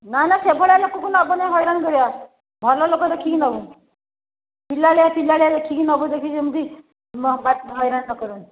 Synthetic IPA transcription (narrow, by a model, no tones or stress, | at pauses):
nanasebʱɔɭjalokɔkunabɔnajɦɔjɾankɔɾia | bʱɔlɔlokɔt̪ɔkʰinɔbu | pilːaljapilːaɭjad̪ɔkʰiknɔbɔd̪ekʰid͡ʒemud̪i | mɔbat̪ɦɔjɾanːɔkɔɾun